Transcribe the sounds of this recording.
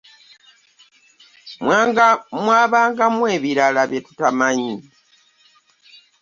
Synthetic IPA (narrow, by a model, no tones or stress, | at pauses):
mwaːβaːŋɡamwe̞ːβiɾalaβjetutamaɲi